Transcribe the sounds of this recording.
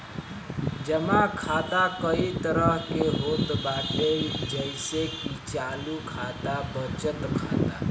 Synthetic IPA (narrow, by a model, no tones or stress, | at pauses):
d͡ʒəmãkʰat̪akəit̪əɾəɦkeɦot̪baʈeld͡ʒəjsekit͡ʃalukʰat̪abət͡ʃət̪kʰa̰t̪a̰